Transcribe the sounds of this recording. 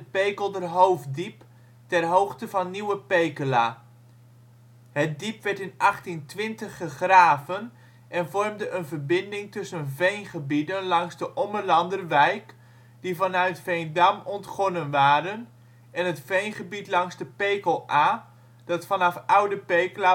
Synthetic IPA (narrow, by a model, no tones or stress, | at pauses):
əpejkəlˠdərɦowfdip | tɛrɦowχtəvɑnːiwəpejkəla̰ː | hət̚dipʋɛɹtɪnɑχtintʋɪntəχəχraːvən | ʔɛnvɔrmdəʔənvərbɪndɪŋtɵsənvejnχəbidənlɑŋzdəʔɔmərlɑndərʋɛjk | d̥ivɑnœɥtfejndamɔntχɔnənʋaːɾən | ɛnətfejnχəbitlɑŋzdəpejkəlˠʔaː | d̥ɑtfɑnɑfawdəpejkəla